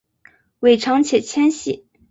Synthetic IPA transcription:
we˨˩ɪʈ͡ʂʰɑ˧˥ŋt͡ɕʰjɛ˨˩t͡ɕʰjɛ˥nɕḭ˥˩

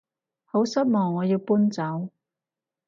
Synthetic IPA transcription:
ho˨˥wsɐ˥t̚mɔː˨˩ŋːɔː˨˧jiː˧wpuː˥nt͡sɐ˨˥w

